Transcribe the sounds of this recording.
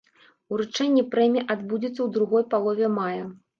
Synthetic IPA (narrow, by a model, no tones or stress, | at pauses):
uɾut͡ʂɛnʲːipɾɛmʲiʔad̪bud͡zʲit̪sːɐwd̪ɾuɣɔjpalˠɔvʲɛmajɐ